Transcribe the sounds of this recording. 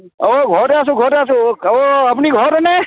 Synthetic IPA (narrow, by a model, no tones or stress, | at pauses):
oɡʱɔɾasũɡʱɔɾasũoəpɳiɡʱɔɾne